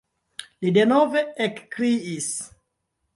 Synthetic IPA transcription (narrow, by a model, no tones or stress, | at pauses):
lidenoveekːɾiis